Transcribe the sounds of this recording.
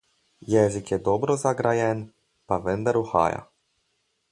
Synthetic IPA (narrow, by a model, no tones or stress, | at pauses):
jɛzikjɛd̪ɔbɾɔzaɡɾajɛn | paʋənd̪aɾuxa̰ːja̰